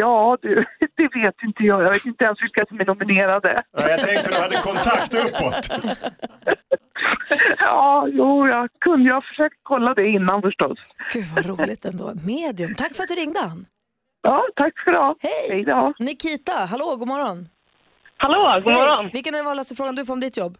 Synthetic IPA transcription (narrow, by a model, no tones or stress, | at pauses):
jɑːd̪ʉd̪ɛveːt̪ɪnt̪əjɑːjɑveːt̪ɪnt̪əɛnsvɪlkasɔmɛnʊmɪneːɾad̪ə̰jat̪ʰɛŋkt̪əd̪had̪ːəkʰɔnt̪ʰakt̪ɵpːɔt̪ | jɑːjuːjɑkʰɵnd̪əjafœʂøːk̚t̪kʰɔlːad̪ɛɪnːanfœʂʈɔsɡ̥ʉvaɾuːlɪt̪ɛnd̪o̰ːmeːd̪jɵmt̪ʰakːfœɾat̪d̪ɵɾɪŋd̪əhanː | jɑːt̪ʰakːfœɾd̪ɑːhɛjhɛjd̪ɑːnɪkʰiːt̪aɦaloːɡuːmɔɾɔn | haloːɡuːmɔɾɔnvɪlkənɛɛvɑːlast̪əfɾoːɡand̪ɵfɔɾɔmd̪ɪt̪jɔbː